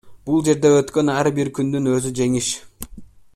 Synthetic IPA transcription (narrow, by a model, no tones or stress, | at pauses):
b̥ulˠd͡ʒe̞ɾd̪e̞øt̪kø̞næɾbiɾkʲʰynd̪ynø̞zyd͡ʒe̞ŋiʃ